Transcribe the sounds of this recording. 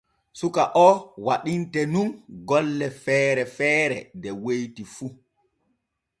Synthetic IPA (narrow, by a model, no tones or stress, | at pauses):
sukaʔɔwaɗintɛnunɡɔlːɛfɛːɾɛfɛːɾɛ̰dɛwejtifu